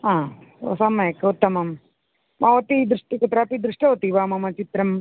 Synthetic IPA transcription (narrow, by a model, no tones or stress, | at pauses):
ɦãːo̰sɐmːɐjɐkut̪ːɐmɐm | maʋɐt̪id̪ɾuʂʈikɐt̪ɾaːpid̪ɾuʂʈɐʋɐt̪iʋaːmɐmɐt͡ʃit̪ɾɐm